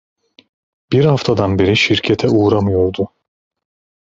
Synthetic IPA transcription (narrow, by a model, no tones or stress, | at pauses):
b̥iɾhaft̪ʰad̪anbeɾiʃiɾcʰɛt̪ʰɛuːɾamɯjo̞ɾd̪ʊ